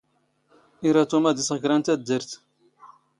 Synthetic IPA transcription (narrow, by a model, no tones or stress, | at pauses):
iɾˤɑt̪umæd̪isʁəkɾɑnt̪æd̪ːəɾt̪